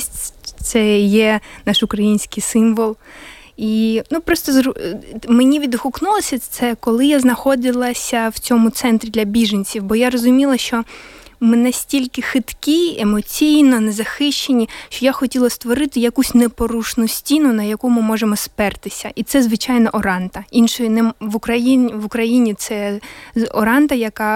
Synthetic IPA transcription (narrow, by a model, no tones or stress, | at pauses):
sʲt̪sɛjɛnaʃʊkɾɐjinʲsʲkɪjsɪmʋɔlˠ | inupɾɔst̪ɔzɾmenʲiʋʲid̪hʊknulˠɔsʲɐt̪sɛkɔlˠɪjaznɐxɔd̪ɪlˠɐsʲɐwt͡sʲɔmʊt̪sɛnt̪ɾʲid̪lʲɐbʲiʒenʲt͡sʲiwbɔjarɔzʊmʲilˠɐʃt͡ʃɔ | mɪnɐsʲtʲilʲkɪxɪt̪kʲiemɔt͡sʲijnɔnɛzɐxɪʃt͡ʃenʲiʃt͡ʃɔjaxɔtʲilˠɐst̪ʋɔɾɪt̪ɪjɐkusʲnepɔɾuʃnʊsʲtʲinʊnɐjɐkumɪmɔʒemɔspɛrt̪ɪsʲɐʔit̪sɛzʋɪt͡ʃajnɔʔɔɾɑnt̪ɐinʃɔjinɛʋʊkɾɐjiʋʊkɾɐjinʲit̪sɛ | ɔ̰ɾɑnt̪ɐjɐkɑ